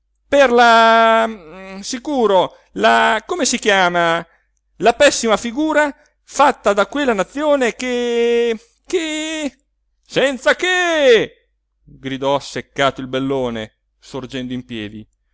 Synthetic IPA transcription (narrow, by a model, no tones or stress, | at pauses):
perla | sikuːɾo | lakomesik̟jaːma | lapɛsːimafiɡuːɾa | fat̪ːad̪akwelːanat̪sːjoːneke | ke | sɛnt̪sake | ɡɾid̪ɔsːekːaːt̪oilbelːoːne | sord͡ʒɛnd̪oimpjɛːd̪ḭ